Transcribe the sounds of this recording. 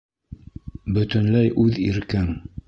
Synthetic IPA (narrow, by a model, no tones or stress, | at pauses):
bɵ̆t̪ɵ̆nlæjʔʉðiɾkɘŋ